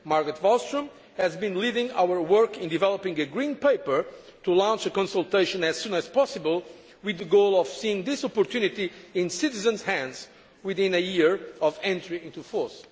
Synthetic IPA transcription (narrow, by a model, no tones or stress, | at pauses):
maɹɡɹɨt̪vɔlˠstɹə̃m | hɨzbĩnlidɪ̃ŋa̰wə˞wɜ˞kɪ̃ndivɛlˠɔpɪ̃ŋɨɡɹĩnpeɪpə˞t̪ulãnt͡ʃəkɔ̃nsəlˠt̪eɪʃə̃nɨz̥sũnæz̥pɔsɨbəlˠ | wɨðəɡoʊlˠɔv̥siɪ̃ŋðɪsɔpɔɹt̪ʰjunit̪iɪ̃nsɪtɨzə̃nz̥hæ̃ndz̥ | wɪðɪ̃nɨjiɹɔvɛ̃ntɹiɪ̃nt̪ufɔɹs